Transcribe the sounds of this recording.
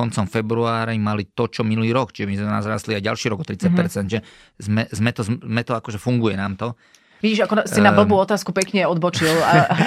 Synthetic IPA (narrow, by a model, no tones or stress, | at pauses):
ɔnt͡sɔmfɛbɾuaːɾimalit̪ɔt͡ʃɔminuliːɾɔkt͡ʃiʒɛmizmɛnazɾaːst̪liajɟalʃiːɾɔɡɔt̪ɾit͡sac̚pɛɾt͡sɛnʒɛ | zmɛzmɛt̪ɔzmɛt̪ɔakɔʒɛfuŋɡujɛnaːmt̪ɔ | ʋiɟiːʒakɔsinabl̩buːɔt̪aːskupɛkɲɛɔd̪bɔt͡ʃila